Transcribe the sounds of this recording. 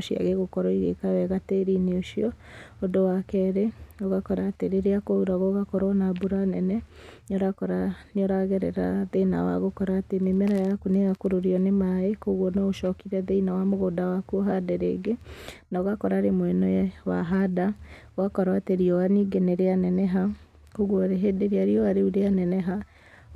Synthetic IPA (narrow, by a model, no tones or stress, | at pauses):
ʃia̰ɣeɣokɔɾɔiɣḛkawɛɣateɾineoʃiɔodowakɛɾeoɣakɔɾaːteɾeɾeakouɾaɣɔɣakɔɾɔnabuɾanɛnɛnɔɾakɔɾaneɔɾaɣɛɾɛ̰ɾaðeina̰wa̰ɣokɔɾaːtememɛɾajakuneɣakoɾoɾiɔnemaekoɣwɔnɔʃɔkiɾɛðɛinawamoɣoːdawakuoɦadɛɾḛɡenaoɣakɔɾaːɾemwɛnɔɛwa̰ɦada | wakɔɾaateɾiɔaniɡɛnɛɾeanɛnɛɦa | koɣɔɾeɦedeɾiaɾiɔaɾeuɾeanɛnɛɦa